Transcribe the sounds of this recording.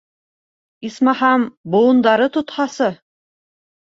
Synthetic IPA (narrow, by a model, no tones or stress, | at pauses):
ismɑhɑmboɤ̆nd̪ɑɾɤt̪ŏt̪χɑsɤ